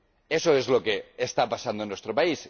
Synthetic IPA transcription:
eso̞ezlo̞ke̞ːst̪apasand̪onwe̞st̪ɾopais

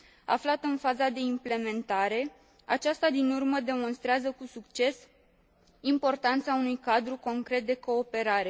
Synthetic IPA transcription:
a̰flat̪ɨnfazad̪e̞imple̞me̞nt̪aɾe̞ | at͡ʃast̪ad̪inurməd̪e̞mo̞nst̪ɾeazəkusukt͡ʃe̞s | impo̞rt̪ant̪saunujkad̪ɾuko̞ŋkɾe̞t̪̚d̪e̞ko̞ːpe̞ɾaɾe̞

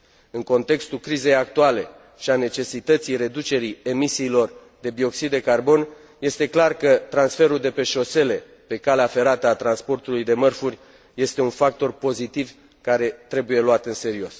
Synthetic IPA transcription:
ɨŋko̞nt̪e̞kst̪ukɾize̞jak̚t̪uale̞ | ʃiane̞t͡ʃe̞sit̪ət̪sijre̞d̪ut͡ʃe̞ɾie̞misiːlo̞rd̪e̞bio̞ksid̪ːe̞karbo̞n | je̞st̪e̞klarkət̪ɾansfe̞ɾuld̪e̞pe̞ʃo̞se̞le̞ | pe̞kaleafe̞ɾat̪əat̪ɾanspo̞rt̪ulujd̪e̞mərfurʲ | je̞st̪e̞unfak̚t̪o̞rpo̞zit̪iv | kaɾe̞t̪ɾe̞buje̞luat̪ɨnse̞ɾio̞s

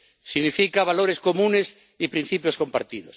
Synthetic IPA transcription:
siɣnifikaβ̞aloɾeskomũnes | ipɾĩn̟θipjoskompa̰ɾt̪iðos

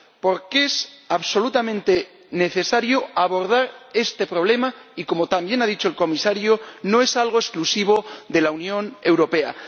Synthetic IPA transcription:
po̞ɾkesaβso̞lut̪amẽ̞nt̪e̞ | ne̞θe̞saɾjoaβo̞ɾð̞aɾe̞st̪e̞pɾo̞β̞le̞maiko̞mot̪ambje̞naðit͡ʃoelko̞misaɾjono̞e̞salɣ̞o̞esklusiβ̞o̞ðe̞launjõ̞ne̞wɾo̞pe̞a̰

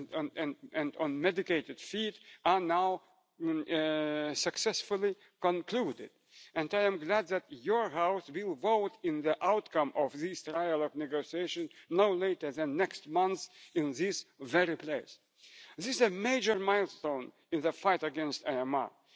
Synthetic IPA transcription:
nɛ̃ndɔ̃nmɛdɨkeɪtɨd̥fitə˞naʊ | sɨksɛsfʊlˠi | kə̃nkʰludɪ̰d | ɨ̃ndaɪɨ̃mɡlæd̪̚ðæt̚jɔ˞ɦaʊswɪlˠvoʊtɪ̃nðiʔaʊtkʰʌ̃mʔɔvðistɹajəlɔɡ̚nɛɡoʊsieɪʃɨ̃nnoʊleɪtə˞ðɨ̃nːɛkstmʌ̃nθɪ̃nðɪsvɛɹipʰleɪs | ðɪszəmeɪd͡ʒə˞maɪlˠstõʊ̃n | ɨ̃nðəfaɪtɨɡɛ̃nstaɪɛma̰

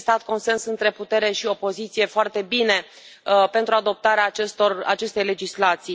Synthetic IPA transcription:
st̪at̪ko̞nse̞nsɨnt̪ɾe̞put̪e̞ɾe̞ʃio̞po̞zit̪sije̞foart̪e̞bine̞ | pe̞nt̪ɾuad̪o̞p̚t̪aɾeaːt͡ʃest̪orat͡ʃe̞st̪e̞jle̞d͡ʒislat̪si

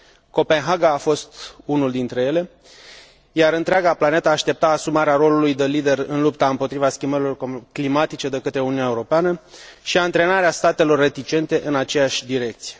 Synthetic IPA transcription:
ko̞pe̞nɦaɡaːfo̞st̪unuld̪int̪ɾe̞je̞le̞ | jaɾɨnt̪ɾeaɡaplane̞t̪aːʃt̪e̞p̚t̪aːsumaɾeaɾo̞lulujd̪elid̪e̞rɨnlupt̪aɨmpo̞t̪ɾivaskʲimbəɾilo̞rklimat̪it͡ʃe̞d̪e̞kət̪ɾe̞uniunaeuɾo̞peanəʃiant̪ɾe̞naɾeast̪at̪e̞lo̞rːe̞t̪it͡ʃe̞nt̪e̞ʔɨnat͡ʃe̞jaʃʲd̪iɾe̞k̚t̪sije̞

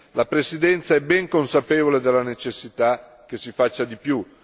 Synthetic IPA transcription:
lapɾesid̪ɛnt̪saɛbːɛŋkonsapeːvoled̪elːanet͡ʃesːit̪a | k̟esifat͡ʃːad̪ipju

